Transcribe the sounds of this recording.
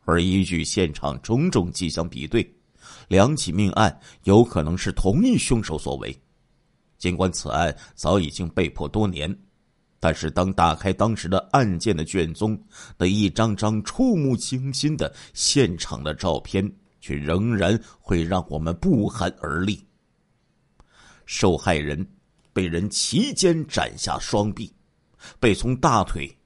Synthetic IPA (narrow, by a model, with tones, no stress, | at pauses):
ə˞˧˥i˥t͡ɕy˥˧ɕjɛ˥˩nʈ͡ʂʰɑ̰˨˩ŋʈ͡ʂʊ˧˥ŋʈ͡ʂʊ˨˩ŋt͡ɕi˥˩ɕjɑ˥ŋpḭ˨˩t̪we˥˩ɪ | ljɑ˧˥ŋt͡ɕʰi˨˩mi˥˧ŋʔa̰˥˩njo˧˥ʊkʰɤ˨˩nɤ˧˥ŋʂɻ̩˥˩t̪ʰʊ˧˥ŋi˥˩ɕʊ˥ŋʂo˧˥ʊswɔ̰˨˩wḛ˧˥ɪ | t͡ɕi˥nkwa˧˥nt͡sʰɹ̩̰˨˩a˥˩nt͡sɑ˧˥ʊi˨˩t͡ɕi˥ŋpe˥˧ɪpʰwɔ˥˩t̪wɔ˥njɛ̰˧˥n | t̪a˥˧nʂɻ̩˥˩t̪ɑ˥ŋt̪a˨˩kʰa˥ɪt̪ɑ˥ŋʂɻ̩˧˥d̪ə˧a˥˧nt͡ɕjɛ˥˩nd̪ə˩t͡ɕɥɛ˥˩nt͡sʊ˥ŋna˥˧i˥˩ʈ͡ʂɑ˥ŋʈ͡ʂɑ˥ŋʈ͡ʂʰu˥˧mu˥˩t͡ɕʰi˥ŋɕi˥nd̪ə˨ɕjɛ˥˩nʈ͡ʂʰɑ̰˨˩ŋd̪ə˦ʈ͡ʂɑ˥˧ʊpʰjɛ˥n | t͡ɕʰɥɛ̰˥˩ɻɤ˧˥ŋɻa˧˥nxwe˥˧ɪɻɑ˥˩ŋwɔ̰˨˩mə˦npu˥˩xə˧˥nə̰˞˧˥li˥˩ | ʂo˥˧ʊxa˥˩ɪɻə̰˧˥n | pe˥˩ɪɻə˧˥nt͡ɕʰi˧˥t͡ɕjɛ˥nʈ͡ʂa̰˨˩nɕja̰˥˩ʂwɑ˥ŋpi˥˩ | pe˥˩ɪt͡sʰʊ˧˥ŋt̪a˥˩t̪ʰwḛ˨˩ɪ